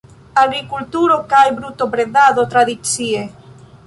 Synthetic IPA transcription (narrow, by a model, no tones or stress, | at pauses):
aɣɾikult̪uɾokajbɾut̪oβɾeðaðot̪ɾaðit͡sie